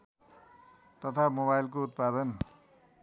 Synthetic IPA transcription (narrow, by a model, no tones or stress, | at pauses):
t̪ʌt̪ʰamoβajlk̬out̪̚pad̪ʌn